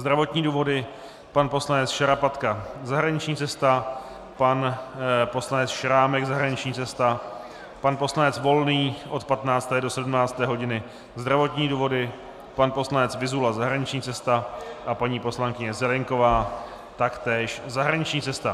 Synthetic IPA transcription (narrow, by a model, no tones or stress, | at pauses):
zd̪ɾavo̞t̪ɲiːduːvo̞dɪ | panpo̞slanɛt͡sʃaɾapat̪kazaɦɾaɲɪt͡ʃɲiːt͡sɛst̪a | panpo̞slanɛt͡sʃɾaːmɛɡzaɦɾaɲɪt͡ʃɲiːt͡sɛst̪a | panpo̞slanɛt͡svo̞lniːʔo̞t̪pat̪naːt͡st̪ɛːdo̞sɛdumnaːt͡st̪ɛːɦo̞ɟɪnɪ | zd̪ɾavo̞t̪ɲiːduːvo̞dɪ | panpo̞slanɛt͡svɪzulazaɦɾaɲɪt͡ʃɲiːt͡sɛst̪aʔapaɲiːpo̞slaŋkɪɲɛzɛlɪŋko̞vaː | t̪akt̪ɛːʃzaɦɾaɲɪt͡ʃɲiːt͡sɛst̪a